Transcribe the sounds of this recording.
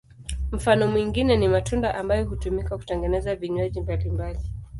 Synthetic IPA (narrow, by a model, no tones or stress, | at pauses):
m̩fanɔmwiŋɡinɛnimatundaʔambajɔɦutumikaku̥tɛŋɡɛnɛzaviɲwaʄimbalimbali